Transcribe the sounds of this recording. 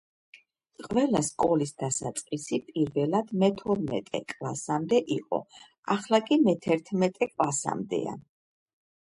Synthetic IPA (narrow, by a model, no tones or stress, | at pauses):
qʼvɛlaskʼɔlisd̪asat̪sʼqʼisipʼiɾvɛlad̪̥mɛt̪ʰɔɾmɛ̰t̪ʼɛ̰kʼlasamd̪ɛʔiqʼɔ̰ | aχlˠakʼimɛt̪ʰɛɾt̪ʰmɛt̪ʼɛkʼlasa̰md̪ɛ̰a̰n